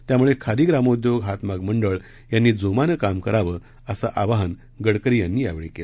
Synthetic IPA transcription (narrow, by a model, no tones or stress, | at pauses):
t̪jamuɭekʰad̪iːɡɾamod̪joɡɦat̪maɡməɳɖəɭ | janːiːd͡zomanəkamkəɾaʋəː | əsaʔaʋaɦən | ɡəɽkəɾiːjanːiːjaʋeɭekela